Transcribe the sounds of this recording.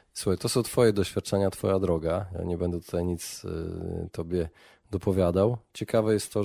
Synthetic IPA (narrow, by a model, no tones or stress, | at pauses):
suxajt̪ɔsɔ̃w̃t̪fɔjɛd̪ɔɕfʲjat̪̚t͡ʂɛɲat̪fɔjad̪ɾɔɡaja̰ɲɛbɛnd̪ɛt̪u̥t̪ajɲit̪s | t̪ɔbʲjɛ | d̪ɔpɔvʲjad̪awt͡ɕɛkavɛjɛst̪t̪ːɔ